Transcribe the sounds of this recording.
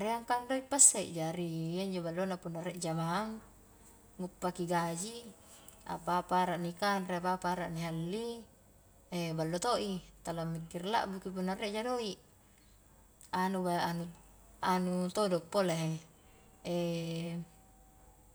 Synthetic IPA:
ɾeaŋkaŋdoipːasːeʔd͡ʒaɾijaɲd͡ʒobalːonapunːareʔd͡ʒamaːŋː | upːakiɡad͡ʒi | a̰papaɾaʔnikanɾepapaɾa̰ʔniɦalːi | ebalːot̪oʔit̪alamːikːirla̰ʔbukip̬unːareʔd͡ʒadoiʔ | anubaʔanu | anut̪odɔk̚polaɦe | e

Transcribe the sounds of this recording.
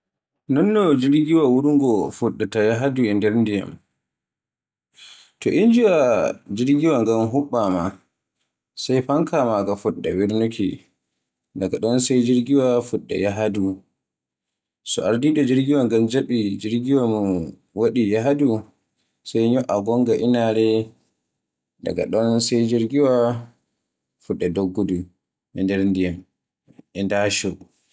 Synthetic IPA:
nɔnːɔd͡ʒiɾɡiwawuɾuŋɡɔfuɗːatajaɦaduɛndɛɾndija̰m | tɔʔind͡ʒiwad͡ʒiɾɡiwaŋɡamɦuɓːama̰ | sajpaŋkʰamaɡafuɗːa̰wiɾnukʰi | daɡaɗɔnsajd͡ʒiɾɡiwafuɗːa̰jaɦadu | sɔ̰aɾdiɗɔd͡ʒiɾɡiwaŋɡamd͡ʒaɓid͡ʒiɾɡiwamu | waɗijaɦadu | sajɲɔʔaɡɔŋɡaʔinaɾɛ | da̰ɡa̰ɗɔnsajd͡ʒiɾɡiwa | fuɗːɛdoɡːudu | ʔɛndɛɾndijam | ɛndaːʃɔ

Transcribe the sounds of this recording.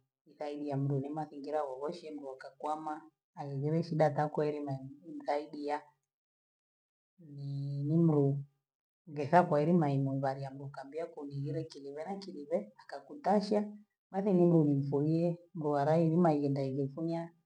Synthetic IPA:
iθaiɗiam̩ɾunimaθiŋɡiɾaɣɔβɔʃiɛm̩ɾuakakwamaː | ɣɛɣiɾɛʃiɗatakaɛɾimam̩θaiɗija | ninim̩ɾu | ɡɛθakwaiɾimaimumβaɾiam̩ɾukambiakuniɣiɾɛkiliβɛnakiɾiβɛakakutaʃa | ɓaθinim̩ɾunim̩fuiɛm̩ɾuaɾainimaiɣɛndaiɣɛfuɲa

